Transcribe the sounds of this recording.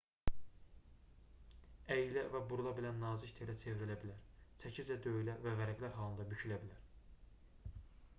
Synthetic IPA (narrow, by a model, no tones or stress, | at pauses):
æjilævæbuɾulˠɑbilænːɑːzict̪ʰeɾæt͡ʃʰe̞viɾelæbilæɾt͡sʰæcʰizd͡ʒæd̪ø̞jylævævæɾæɡlæɾɦɑːlˠɯnd̪ɑbycʰylæbilæɾ